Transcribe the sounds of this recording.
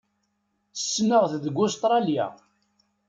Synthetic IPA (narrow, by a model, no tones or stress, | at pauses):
θə̥sːnəʁθðəɡʊst̪ɾˤɑlja̰